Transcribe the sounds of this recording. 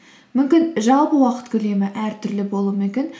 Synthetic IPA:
mʏmkʲɪnʒɑlˠpəwɑqə̥t̪kʲʰele̞mɪʔæɾt̪ʰʏɾlɪbo̞lˠumekʲe̞n

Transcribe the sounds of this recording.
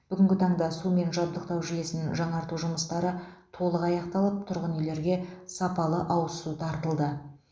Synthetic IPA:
b̥ʏɡʲɪŋʲɡʲɪt̪ʰɑɴd̪ɑsume̞nʒɑb̪d̪əqt̪ɑwʒʏje̞sɪnɪʒɑɴɑɾt̪uʒʊməst̪ɑɾət̪ʰo̞lˠəqɑjɑqt̪ɑlˠəp̚t̪ʰʊɾʁənʏjle̞ɾɡʲe̞sɑpɑlˠəʔɑwəsut̪ʰɑɾt̪əlˠd̪ə

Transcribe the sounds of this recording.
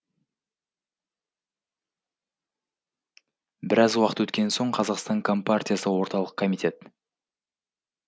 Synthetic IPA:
bɪɾɑzwɑqə̥t̪wɵt̪kʲe̞nso̞ɴqʰɑzɑqst̪ɑŋkʰo̞mpartʲijasəwo̞ɾt̪ɑlˠəq̚kʰo̞mit̪ʲe̞t̪

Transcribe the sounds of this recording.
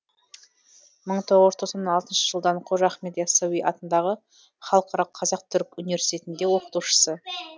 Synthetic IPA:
məɴt̪ʰo̞ʁt̪ʰosɑnɑlˠt̪ənʃəʒəlˠd̪ɑɴqʰoʒɑχme̞d̪esawiʔɑt̪ənd̪ɑʁə | χɑlˠqʰɑɾɑəqʰɑzɑq̚t̪ʰʏɾkunivesi̥t̪ʰʲe̞t̪ɪnd̪e̞wo̞qə̥t̪uʃə̥sə

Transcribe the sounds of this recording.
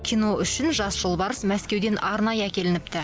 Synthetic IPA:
kʲʰijno̞ʏʃɪnʒɑsʒ̥əlˠbɑɾəsmæskʲe̞wd̪e̞nɑɾnɑjəækʲe̞lɪnɪpt̪ɪ

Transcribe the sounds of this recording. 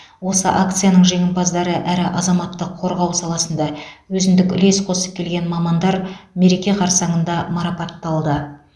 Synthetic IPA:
wo̞səʔak̚t̪sɨjanəɴʒe̞ŋʲɪmbɑzd̪ɑɾəʔæɾɪʔɑzɑmɑt̪ːəqʰːo̞ɾʁɑwsɑlˠɑsənd̪ɑwɵzɪnd̪ɪkʲʏ̰le̞sqʰo̞səp̚kʲʰe̞lɡʲenmɑmɑnd̪ɑɾme̞ɾe̞kʲe̞qʰɑɾsɑɴənd̪ɑmɑɾɑpɑt̪ːɑlˠd̪ə

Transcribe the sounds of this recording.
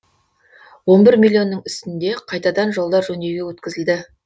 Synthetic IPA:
wo̞nbɪɾmʲilʲːijo̞nːəɴʏst̪ɪnd̪e̞qʰɑjt̪ɑd̪ɑnʒo̞lˠd̪ɑɾʒɵneɡʲewɵt̪kʲɪzɪld̪ɪ

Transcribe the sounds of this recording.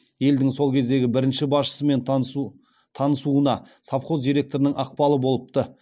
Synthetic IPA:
je̞ld̪ɪŋso̞lˠkʲʰe̞zd̪e̞ɡʲɪbɪɾɪnʃɪbɑsʃə̥səme̞n | t̪ʰɑnəsuənɑ | safqo̞zd̪ijɾe̞k̚t̪o̞ɾənəŋʔɑq̚pɑlˠəbo̞lˠəp̚t̪ə

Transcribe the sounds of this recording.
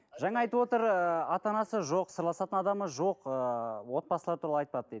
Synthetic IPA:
ʒɑɴɑɑjt̪uwot̪əɾəɑt̪ɑnɑsəʒo̞qsəɾlˠɑsɑt̪ənɑd̪ɑməʒo̞qəwo̞t̪̚bɑsəlˠɑɾt̪ʰuɾɑlˠɑjt̪̚pɑd̪əd̪ed̪ɪ

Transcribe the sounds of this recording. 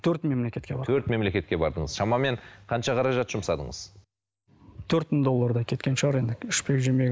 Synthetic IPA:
t̪ʰɵɾt̪me̞mle̞kʲe̞t̪kʲe̞bɑɾt̪ʰɵɾt̪me̞mle̞kʲe̞t̪kʲe̞bɑ̰ɾd̪əɴəz̥ʃɑmɑme̞ɴqʰɑnʃɑqʰɑɾɑʒɑt̪ʒ̥ʊmsɑd̪ə̰ɴə̰z̥ | t̪ʰɵɾt̪mɪɴd̪o̞lˠːɑɾd̪ɑkʲʰe̞t̪kʲe̞nʃʁɑɾe̞nd̪ɪʏʃpekʒɪme

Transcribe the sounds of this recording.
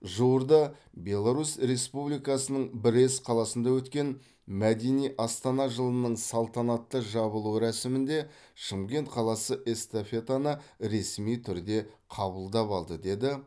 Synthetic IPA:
ʒuwəɾd̪ɑ | bʲe̞lˠaɾusɾe̞spublijkɑsənəɴbɪɾe̞sqʰɑlˠɑsənd̪ɑwɵt̪kʲe̞n | mæd̪e̞nijʔɑst̪ɑnɑʒəlˠənəɴsɑlˠt̪ɑnɑt̪ːəʒɑβəlˠuɾæsɪmɪnd̪e̞ | ʃəmkʲe̞nt̪qʰɑlˠɑsəʔe̞st̪ofe̞t̪anəɾe̞smijt̪ʰʏɾd̪e̞qʰɑbəlˠd̪ɑpɑlˠd̪əd̪e̞d̪ɪ

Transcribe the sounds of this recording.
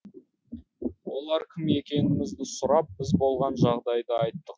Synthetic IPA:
wo̞lˠɑɾkʲʰɪme̞kʲe̞nɪmɪzd̪ɪsʊɾɑp̚b̥ɪzbo̞lˠʁɑnʒɑʁd̪ɑjd̪əɑjt̪ːəq

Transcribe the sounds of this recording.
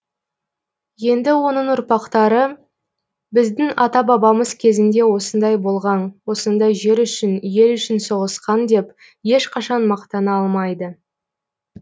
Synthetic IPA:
je̞nd̪ɪwo̞nəɴʊɾpɑqt̪ɑɾə | bɪzd̪ɪŋɑt̪ɑbɑbɑməzkʲʰe̞zɪnd̪e̞wo̞sənd̪ɑjbo̞lˠʁɑnwo̞sənd̪ɑjʒe̞ɾʏʃɪnje̞lʏʃɪnso̞ʁəsqɑnd̪e̞p | je̞ʃqʰɑʃɑnmɑqt̪ɑnɑɑlˠmɑjd̪ə

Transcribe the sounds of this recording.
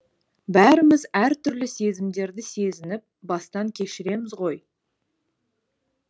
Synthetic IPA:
bæɾɪmɪzæɾt̪ʰʏɾlɪse̞zɪmd̪e̞ɾd̪ɪse̞zɪnɪp̚bɑst̪ɑŋkʲʰe̞ʃɪɾe̞mɪzʁo̞j

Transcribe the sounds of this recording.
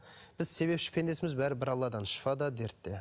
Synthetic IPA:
b̥ɪzse̞be̞pʃɪ̥pʰe̞nd̪e̞sɪmɪzbæɾɪbɪɾɑlˠːɑd̪ɑnʃə̥fɑd̪ɑd̪eɾt̪ːe

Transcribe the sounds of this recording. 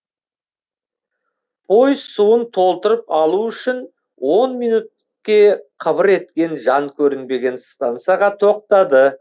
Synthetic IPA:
bo̞jsuənt̪ʰo̞lˠt̪əɾəpɑlˠuʏʃɪn | wo̞nmijnut̪̚ | kʲe̞qʰəbəɾe̞t̪kʲe̞nʒɑŋkʲʰɵɾɪnbe̞ɡʲe̞nst̪ant̪sɨjaʁɑt̪ʰo̞q̚t̪ɑd̪ə

